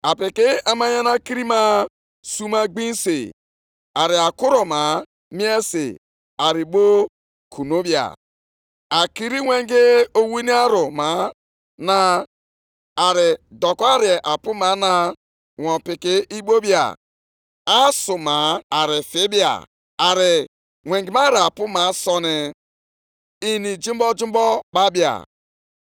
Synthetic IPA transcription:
a˨pɪ˨kɪ˦a˨ma˦ɲa˦na˦ki˦ɾi˦ma˦ | su˦ma˦ɡ͡bi˦n̩˦sḭ˨ | a˨ɾɪ˨a˨kʊ˦ɾo˨ma˨ | mi˦e˦sḭ˨ | a˨ɾɪ˨ɡ͡bo˦ | kʰu˨no˦bja̰˨ | a˨ki˨ɾi˦ŋʷe˦ŋ̩˦ɡe˦o˦wi˦ni˦a˦ɾʊ˨ma˨˦ | na˨ | a˨ɾɪ˨dɔ˨kɔ˦a˦ɾɪ˨ʔa˨pʊ˦ma˨˦na˦ | ŋʷɔ˨pɪ˨kɪ˦ʔi˦ɡ͡bo˦bja̰˨ | a˦sʊ˨ma˨a˨ɾɪ˨fɪ˦bja̰˨ | a˨ɾɪ˨ | ŋʷe˨ŋɡi˨ma˦ɾɪ˨a˨pʊ˦ma˨˦sɔ˦nɪ˨ | i˦ni˨d͡ʒi˦m˦bɔ˦d͡ʒi˦bɔ˦k͡pa˦bja̰˨

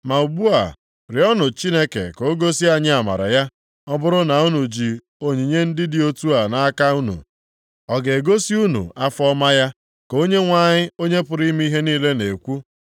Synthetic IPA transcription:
ma˨u˨bu˦a˨ | ɾɪ˨ɔ˦nʊ˨t͡ʃi˦ne˦kḛ˨ko˨˦ɡo˦si˦a˨ɲɪ˦a˨ma̰˨ɾa̰˨ja˦ | ɔ˦bʊ˦ɾʊ˦na˨u˦nu˨d͡ʒi˨ | o˦ɲi˨ɲe˦n̩˦dɪ˦dɪ˦o˦tu˦a˨na˨˦ka˦u˦nṵ˨ | ɔ˨ɡe˨e˨ɡo˦si˦u˦nṵ˨ʔa˦fɔ˦ma˦ja˦ | ko˦ɲe˦ŋʷa˨ɲɪ˦o˦ɲe˦pʊ˨ɾi˦m˦i˦ɦe˦niː˦le˦ne˨kʷu˦

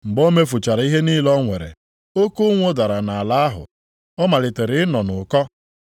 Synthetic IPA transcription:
ŋ͡m̩˨ɡ͡bo˦me˦fʊ˨t͡ʃa˨ɾa˨˦i˦ɦe˦ni˦lɔ˦ŋʷe˨ɾḛ˨ | o˦ku˦ŋʷo˦da˨ɾa˨na˨a˨la˦a˦ɦʊ̰˨ | ɔ˦ma˨lɪ˨te˨ɾɪ˨˦ɪ˦nɔ˨nʊ˨kɔ˦

